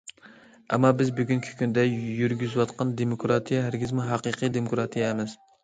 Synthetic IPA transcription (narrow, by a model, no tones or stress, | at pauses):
ɛmːɑbɪzbyɡʲyŋkʲʰi̥kʲʰynd̪ɛjyɾɡʲyzwɑt̪qʰɑnd̪emokɾɑt̪ʰijɛɦæɾɡʲɪzmuɦɑqɨqʰɨjd̪emokɾɑt̪ʰijɛɪmɪz